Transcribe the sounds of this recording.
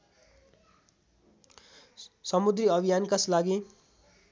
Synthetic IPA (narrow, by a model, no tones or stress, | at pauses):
sʌmud̪riʌbʱijankʌslaɡi